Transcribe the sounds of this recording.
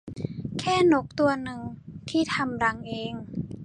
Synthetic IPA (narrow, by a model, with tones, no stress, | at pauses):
kʰɛː˥˩no˦˥k̚t̪u˧ɐnɯ˨˩ŋt̪ʰiː˥˩t̪ʰa˧mɾa˧ŋʔeː˧ŋ